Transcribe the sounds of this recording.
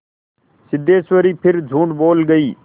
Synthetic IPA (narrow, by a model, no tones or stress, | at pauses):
sɪd̪ʱeːsʋəɾiːpʰɪɾd͡ʒʱũːɳʈboːlɡəiː